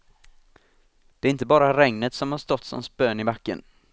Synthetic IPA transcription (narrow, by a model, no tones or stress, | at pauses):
d̪̥ɛæɾɪnt̪̬əbɑːɾaɾɛŋnət̪sɔmhaʂt̪ɔt̪ːsɔ̰mspøːnɪbakːə̰n